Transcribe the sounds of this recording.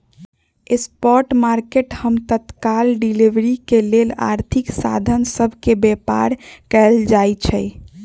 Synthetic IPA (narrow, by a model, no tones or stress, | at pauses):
espɔɾʈmaɾkeʈhəmt̪ət̪kalɖiliʋɾikelela̰ɾt̪ʰiksa̰d̪ʱənsəbʱkebepa̰ɾkɛld͡ʒajt͡ʃʰɛ